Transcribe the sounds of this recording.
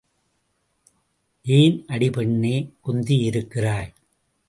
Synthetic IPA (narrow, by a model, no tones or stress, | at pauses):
ʔeːnʔɐɽɪpɛɳːeːkʊnd̪iɪɾɯkːɪraːɾ